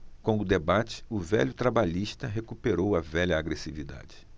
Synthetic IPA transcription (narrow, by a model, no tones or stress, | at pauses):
kõʊd̪ebat͡ʃɪ̥ʊvɛʎʊt̪ɾabaʎiʃt̪ɐɦekupeɾowɐvɛʎɐaɡɾesivid̪a̰d͡ʒɪ